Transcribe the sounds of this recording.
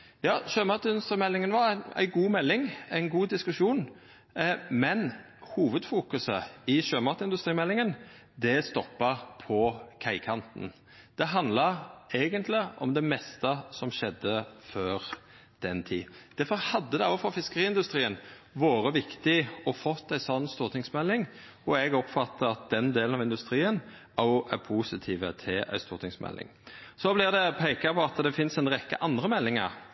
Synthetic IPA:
jɑːʃøːmɑt̪əɪnd̪ʉst̪ɾiːmɛlːɪŋənʋɑɾæɪnæ̰ɪɡuːmɛlːɪŋæɪnɡuːd̪ɪskʉʂuːn | mɛn | huːʋəd̪fuːkʉsəɪʃøːmɑt̪əɪnd̪ʉst̪ɾiːmɛlːɪŋən | d̪ɛst̪ɔpːɑpʰɔkʰæɪkʰɑnt̪n̩ | d̪̥ɛɦɑnd̪lɑɾeːɡənt̪ʰlɪɔ̰md̪ɛmɛst̪əsɔmʃɛd̪ːəføːɾ | d̪̥ɛnt̪ʰḭːd̪̥æfɔʁhɑd̪ːəd̪ɛɔːfɔfɪskəʁiːɪnd̪ʉst̪ʁiːən | ʋoːɾəʋɪkt̪ɪɔfɔt̪ːæɪsɔnːst̪uːɾt̪ʰɪŋsmɛlːɪŋ | ɔɛɡɔpfɑt̪ːəɑt̪̚d̪ɛnd̪eːlnɑʋɪnd̪ʉst̪ɾiːən | ɔʔæpʰuːsɪt̪ʰiːʋət̪ʰɪlʔæ̰ɪst̪uːɾt̪ʰɪŋsmɛ̰lʔɪ̰ŋsɔblɪʁd̪ɛpʰɛɪkɑpʰɔɑt̪d̪ɛfɪnsæɪnʁɛkːə̰ʔɑnd̪ɾəmɛlːɪŋəɾ

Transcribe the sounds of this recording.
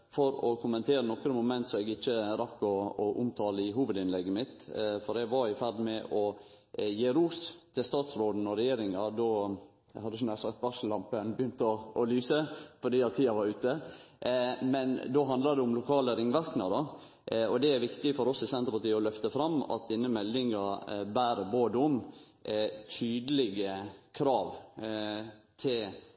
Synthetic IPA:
fɔɾɔ̰kʰʊmənt̪ʰeːɾənɔkːɾəmʊmɛnt̪sɔɛɡɪt͡ʃːəɾɑkːɔɔʔʊmt̪ʰɑːləɪɦuːʋəd̪ɪnlɛɡːəmɪt̪fɔɾɛɡʋɑɾɪfæɾd̪mɛʔɔ | jeːɾuːst̪ʰɪlst̪ɑːt̪sɾoːd̪n̩ɔɾɛjeːɾɪŋɑd̪o | hɑd̪ːəsɔnæɾsɑkt̪̚bɑʂəlɑmpənbəjʏnt̪ɔɔlyːsəfɔɖ̪iːɑɾt̪ʰiːɑʋɑɾʉːt̪ə | mɛnd̪oːɦɑnd̪lɑɾd̪ɛʊmlʊkʰɑːləɾɪŋʋæɾknəd̪ɑ | ɔd̪ɛæɾʋɪkt̪ɪfɔɾɔsɪsɛnt̪əɾpɑʈiːɔlœft̪əfɾɑmːɑ̰t̪̚d̪ɪnːəmɛld̪ɪŋɑbæːɾəboːd̪əʊm | t̪ʰyːd̪əlɪɡəkʰɾɑːʋ | t̪ʰɪl

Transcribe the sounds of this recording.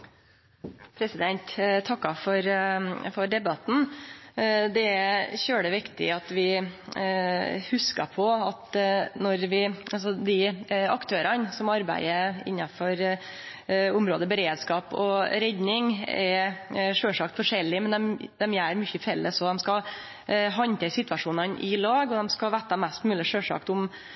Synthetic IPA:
pʰɾɛsɪd̪ɛnt̪t̪ʰɑkːɑfɔɾfɔɾɖ̪ɛbɑt̪n̩ | d̪ɛçøːɖəʋɪkt̪ɪ̰ɑt̪ʋɪ | hʉskɑpʰɔɑt̪nɔɾʋɪɑls̬ɔd̪ɪɑkt̪ʰøːɾənsɔmɑɾbæ̰ɪəɪ̰nːɑfɔɾ | ʊmɾoːd̪əbəɾeːd̪skɑːpɔ̰ɾɛd̪nɪŋɛʂøːʂɑk̚t̪fɔʂɛlːɪmɛnd̪ɛmd̪̥ɛmjæɾmʏçəfɛlːəsɔd̪ɛmskɑ | ɦɑnt̪ʰɛsɪt̪ʋɑʂuːnɑnʔɪlɑːɡɔd̪ɛmskɑʋæt̪ːɑmæst̪mʉːlɪʂøːʂɑ̰kt̪ʊm

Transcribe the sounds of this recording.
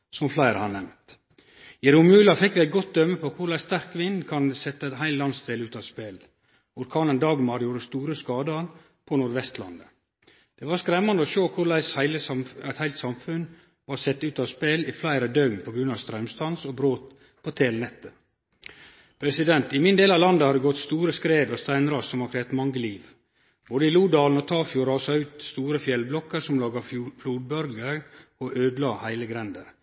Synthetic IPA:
sɔmflæɪɾəhɑnnɛmnt̪ | jɛɾʊmʉːlɑfɪkʋɪæɪt̪̚ɡɔt̪̚d̪œmːəpʰɔkʰʊɾɭæɪst̪æɾkʋɪnkʰɑnsɛt̪ːəɛt̪ɦæɪllɑnst̪elʉːt̪ɑʋspeːl | ʊɾkʰɑːnənd̪ɑːɡmɑɾjuːɾəst̪uːɾəskɑːd̪əɾ | pʰɔnʊɾʋɛst̪lɑ̰nd̪ə | d̪̥ɛʋɑɾskɾɛmːɑnd̪əɔʃoːkʰʊɭæɪshæɪləɑæɪt̪hæɪlt̪sɑmfʉn | ʋɑɾsɛt̪ːʉːt̪ɑʋspeːlɪflæɪɾəd̪œmpʰɔɡɾʉnɑʋst̪ɾœmst̪ɑnsɔbɾoːt̪ | pʰoːt̪ʰeːlnɛt̪ːə | pʰɾɛsɪd̪ɛnt̪ɪmɪnd̪eːlɑʋlɑnd̪əhɑd̪ɛɡɔt̪st̪uːɾəskɾeːd̪ɔst̪æɪnɾɑssɔmhɑkʰɾɛːt̪mɑŋɡəliːʋ | b̥oːd̪əɪluːd̪ɑːln̩ɔt̪ʰɑːfjuːɾɑːsɑʉːt̪st̪uːɾəfjɛlblɔkːəɾsɔmlɑːɡɑfluːd̪̚bœɾɡəɾɔʔøːd̪lɑːhæɪləɡɾɛnd̪əɾ

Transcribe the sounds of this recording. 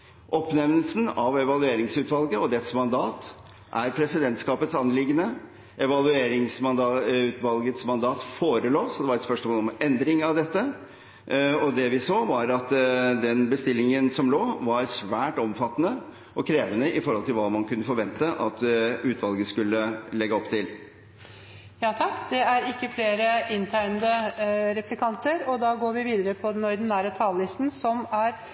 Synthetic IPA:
ʔɔpnɛmnəlsn̩ɑʋɛʋɑlʉeːɾɪŋsʉːt̪ʋɑlɡəɔd̪ɛt̪smɑnd̪ɑːt̪ | ʔæɾpʰɾɛsɪd̪ɛnt̪skɑːpət̪sɑnːlɪɡːənə | ʔɛʋɑlʉeːɾɪŋsmɑʉːt̪ʰʋɑlɡət̪smɑnd̪ɑːt̪foːɾəloːsɔd̪ɛʋɑɾɛt̪spœʂmoɔːlɔmɛnd̪ɾɪŋɑʋd̪ɛt̪ːə | ɔd̪ɛʋɪsoːʋɑɾɑt̪d̪ɛnbəst̪ɪlːɪŋənsɔmloːʋɑɾsʋæːʈɔmfɑt̪ːənə | ʔɔkʰɾeːʋənəʔɪfɔɾhɔlt̪ɪlʋɑːmɑnkʉnːəfɔɾʋɛnt̪əʔɑt̪ʉːt̪ʋɑlɡəskʉlːəlɛɡːəɔpt̪ʰɪl | jɑːt̪ʰɑkːd̪ɛæɾɪkːəfleːɾəɪnt̪ʰɑɪnd̪əɾɛplɪkʰɑnt̪əɾɔd̪ɑːɡoːɾʋɪʋiːd̪əɾəpʰɔd̪ɛnɔɾd̪næːɾət̪ʰɑːllɪst̪n̩sɔmæɾ

